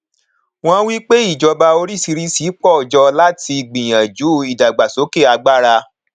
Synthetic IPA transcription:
w̃ɔ̃˧wi˦k͡pe˦i˦˨d͡ʒɔ˧ba˧o˧ɾi˦si˧ɾi˦si˨˦k͡pɔ˦˨d͡ʒɔ˧la˦ti˧˨ɡ͡bĩ˨j̃ã˨d͡ʒu˨˦˨i˨da˨ɡ͡ba˨so˨˦ke˦˨a˧ɡ͡ba˦˨ɾa˧

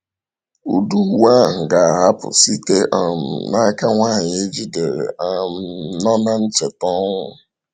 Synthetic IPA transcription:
u˨du˦wa˦˨ɡa˨a˨ɦa˦pʊ̰˨si˦te˦ʔɔ˨m̩˨na˦ka˦ŋʷaː˦˨ɲɪ˨e˦d͡ʒi˦de˨ɾ̰a˦˨nɔ˦na˦n̩˦t͡ʃɪ˨tɔ˦ŋʷʊ˨

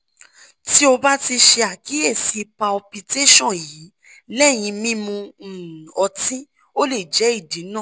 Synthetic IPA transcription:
ti˦o˧ba˦ti˧ʃe˧a˨ki˨˦ɛ˦˨si˨˧pa˧ɔ˧pi˧te˦ʃɔ̃˦˨ji˨˦ | lɛ˦˨j̃ĩ˧mĩ˦mũ˧˨ɔ˧tĩ˦ | o˦le˦˨d͡ʒɛ˨˦i˦˨di˨˦nã˦˨

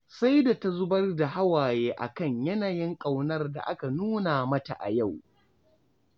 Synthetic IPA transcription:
sa˦jda˨ta˦zʊ˦bɐ˦rda˨ɦa˦waː˨jeː˦ʔa̰˨kɐ˦˨ɲjɐ˦naː˨jɪ˦ŋkʼa˨wnɐ˦rda̰˨ʔa˦ka˨nuː˦na˨mɐ˦ta̰˨ʔa̰˨ja˦˨w

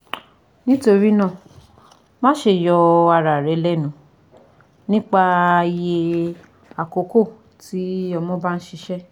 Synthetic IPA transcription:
nĩ˦to˧ɾi˦nã˦˨ | mã˦ʃe˨jɔ˧a˧ɾa˨ɾɛ˨˦lɛ˦˨nũ˨˦ | nĩ˦k͡pa˧je˧ | a˨ko˨˦ko˦˨ | ti˨˦ɔ˧mɔ̃˦ba˦ñ̩˦ʃi˧˦ʃɛ˦

